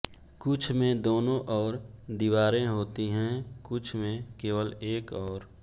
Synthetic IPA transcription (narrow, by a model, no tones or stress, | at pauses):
kʊt͡ʃʰmẽd̪oːnõʔɔːɾd̪iʋaːɾẽɦoːt̪iɦɛ̃kʊt͡ʃʰmẽkeːʋəleːkɔːɾ